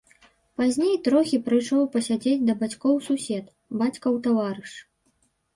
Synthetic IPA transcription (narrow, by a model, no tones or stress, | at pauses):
pazʲnʲejt̪ɾɔxʲipɾɨjʂɔwpɐsʲad͡zʲed͡zʲd̪ɐbat͡sʲkɔwsusʲɛt̪ | bat͡sʲkɐwt̪avaɾɨʂ